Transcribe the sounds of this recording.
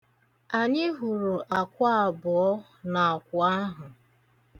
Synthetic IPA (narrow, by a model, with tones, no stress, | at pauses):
a˨ɲɪ˦ɦu˨ɾu˨ʔa˨kʷa˦a˨bʊ˨ɔ˦ | na˨a˨kʷʊ˨a˦ɦʊ˨